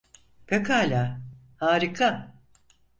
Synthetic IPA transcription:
pʰekʰalʲaː | haːɾɯkʰa

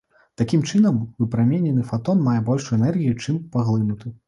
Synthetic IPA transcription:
t̪akʲimt͡ʂɨnɐmvɨpɾamʲenʲɛnɨfat̪ɔnmːajɛbɔlʲʂɛnɛrɣʲijut͡ʂɨmpaɣlˠɨnut̪ɨ

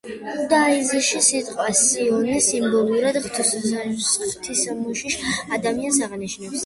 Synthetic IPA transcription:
ud̪aiziʃisit̪ʼqʼwasiɔnisimbɔlˠuɾad̪χt̪ʰ | χt̪ʰisamuʃiʃad̪amiansaʁniʃnɛps

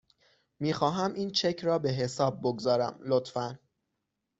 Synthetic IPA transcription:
miːxɒːɦæmʔiːnt͡ʃʰe̞cʰɾɒːbe̞ɦe̞sɒːb̚ːoɡzɒːɾæmlo̞t̪fæn

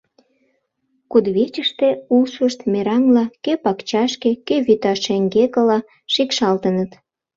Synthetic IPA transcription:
kud̪βet͡ɕəʃt̪eusuʃt̪meɾɑŋlɑkøpɑkt͡ɕɑʃkekøβyt̪ɑʃeŋɡekəlɑ | ʃikʃɑlt̪ənət̪

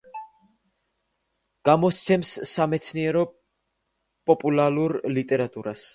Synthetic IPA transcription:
ɡ̥amɔst̪sʰɛmsːamɛt̪sʰniɛɾɔ | pʼɔpʼulaluɾlit̪ʼɛɾat̪ʼuɾas

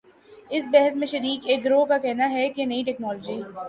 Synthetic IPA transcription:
ɪsbɛɦəsmẽʃɐɾiːkeːk̚ɡɾoːkakɛɦnaɦɛkenɐiʈɛːknɔːlod͡ʒiː

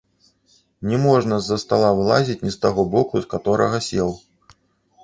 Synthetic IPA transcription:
nʲɛmɔʐnɐzːɐst̪alˠavlˠazʲit͡sʲnʲist̪aɣɔbɔkuskat̪ɔɾɐ̰ɣɐsʲɛw

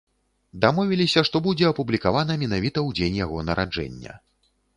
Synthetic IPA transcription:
d̪amɔvʲilʲisʲɐʂt̪ɔbud͡zʲɛɐpublʲikavanɐmʲɛnavʲit̪ɐwd͡zʲenʲjaɣɔnɐɾʔad͡ʐɛ̰nʲːɐ̰

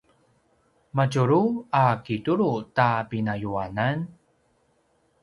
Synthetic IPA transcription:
maɟuɾuakituɾutapinajuanan

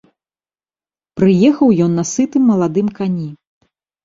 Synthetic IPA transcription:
pɾɨjɛxɐwjɔnːɐsɨt̪ɨmːɐlˠad̪ɨmkanʲi

